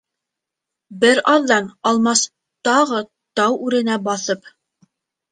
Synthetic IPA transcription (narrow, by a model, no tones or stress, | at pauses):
bɘɾɑðːɑnɑlˠmɑs | t̪ɑʁɤ | t̪ɑwʉɾɘ̆næbɑθɤp